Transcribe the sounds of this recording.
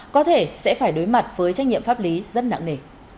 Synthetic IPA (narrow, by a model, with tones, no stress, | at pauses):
kɔ˨˦t̪ʰe˧˩sɛ̰˧˥faː˧˩jɗo˨˦jma˨˩t̚vəː˨˦jt͡ɕa˧˦jŋŋɲi˧˨əmfa˦˥p̚li˨˦zə˧˥na̰˧˨ŋne˧˩